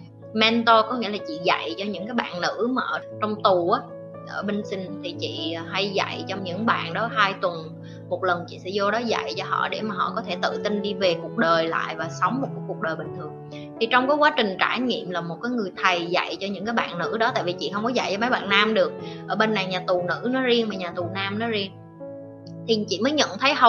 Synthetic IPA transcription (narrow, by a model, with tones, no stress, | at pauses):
mɛ˧nt̪o˧kɔ˨˦ŋḭ˧˥əlaː˨˩t͡ɕḭ˧˨za̰˧˨jt͡ɕɔ˧ɲɨ̰˧˥ŋkaː˨˦jɓa̰ː˧˨nnɨ̰˧˥maː˨˩ʔəː˧˩t͡ɕɔ˧wŋ͡mt̪u˨˩ʔaː˨˦ | ʔəː˧˩ɓe˧ŋsï˧n̟t̪ʰi˨˩t͡ɕḭ˧˨˩ɦa˧jza̰˧˨jt͡ɕɔ˧wŋ͡mɲɨ̰˧˥ŋɓa̰ː˧˨nɗɔ˨˦ɦaː˧jt̪wə˨˩n | mo˨˩t̚lə˨˩nt͡ɕḭ˧˨sɛ̰˧˥zɔ˧ɗɔ˨˦za̰˧˨jt͡ɕɔ˧ɦɔ̰˧˨ɗe˧˩maː˨˩ɦɔ̰˧˨kɔ˨˦t̪ʰe˧˩t̪ɨ̰˧˨t̪i˧nɗi˧ve˨˩ku˨˩ək̚ɗəː˨˩jla̰ː˧˨jvaː˨˩sə˨˦wŋ͡mm̚˨˩kːku˨˩ək̚ɗəː˨˩jɓï˨˩ŋ̟t̪ʰɨ˨˩əŋ | t̪ʰi˨˩t͡ɕɔ˧wŋ͡mkaː˨˦jkwaː˨˦t͡ɕï˨˩ŋ̟t͡ɕaː˧˩jŋḭ˧˨əmlaː˨˩mo˨˩t̚kaː˨˦jŋɨ˨˩əjt̪ʰə˨˩jza̰˧˨jt͡ɕɔ˧ɲɨ̰˧˥ŋkaː˨˦jɓa̰ː˧˨nnɨ̰˧˥ɗɔ˨˦t̪a̰ː˧˨jvi˨˩t͡ɕḭ˧˨hə˧wŋ͡mkɔ˨˦za˧˨jt͡ɕɔ˧ma˨˦jɓa̰ː˧˨nːaː˧mɗɨ˨˩ək̚ʔəː˧˩ɓe˧nːa˨˩jɲaː˨˩t̪u˨˩nɨ̰˧˥nɔ˨˦zi˧əŋmaː˨˩ɲaː˨˩t̪u˨˩naː˧mnɔ˨˦zi˧əŋ | t̪ʰi˨˩t͡ɕḭ˧˨məː˨˦jɲə̰˧˨nt̪ʰə˨˦jɦə˧